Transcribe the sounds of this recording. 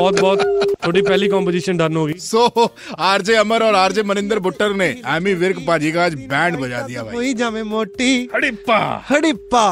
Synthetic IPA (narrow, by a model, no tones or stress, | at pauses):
ɔːt̪̚bɔːt̪t̪ʰoːʈipɛɦlikɔ̃ːmpoːd͡ʒiːʃənɖɐɾnɦoːɡiːsoː | aːɾd͡ʒeɐməɾɔːɾaːɾd͡ʒemənɪ̃nd̪əɾbʊʈːəɾneɛːmiʋɪɾkpaːd͡ʒikaaːd͡ʒbɛ̃ːɳɖbɐd͡ʒa̰ːd̪ijaːbʱa̰oːid͡ʒaːmẽmoːʈːihɐɽipːahɐɽipːaː